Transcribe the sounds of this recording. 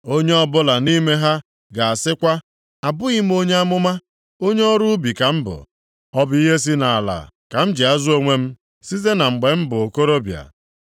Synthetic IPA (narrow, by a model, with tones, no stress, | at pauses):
o˦ɲe˦ɔ˦bʊ˦la˨ni˦me˦ɦa˦ | ɡa˨a˨sɪ˦kʷa˦ | a˨bʊ˦i˦m̩˦o˦ɲe˦a˦mʊ˦ma˦ | o˦ɲe˦ɔ˦ɾu˦bi˨ka˨m̩˦bʊ̰˨ | ɔ˦bʊ˦i˦ɦe˦s̬i˦na˨a˨la̰˨ | ka˨m̩˦d͡ʒɪ˨a˦zʊ˦o˦ŋʷe˦m̩˦ | si˦ze˦na˨ŋ͡m̩˨ɡ͡be˨m̩˦bʊ˨o˨ko˦ɾo˦bja̰˨